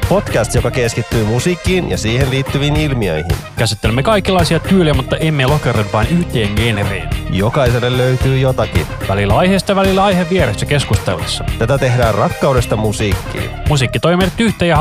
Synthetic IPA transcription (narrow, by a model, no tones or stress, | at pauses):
po̞t̪kæst̪jokɑkeskit̪ːyːmusiːkːiːnjɑ̰siːhenliːt̪ːyʋiːnilmiøjhḭnkæsit̪ːelemːekɑikːilɑjsiɑt̪yːliæmut̪ːɑʔemːelokerempɑːnyht̪eːŋɡeːnerḛːnjokɑjse̞lːelløyt̪yːjot̪ɑkḭnʋælilːæɑjheːst̪ɑjɑʋælilːæɑjheʋːieɾesːæke̞skust̪ḛlḛsːɑt̪æt̪æt̪e̞ɦdæːrrɑkːɑwde̞st̪ɑmusiːkːḭːnmusiːkːit̪ojmeɾet̪ːyht̪ejɑ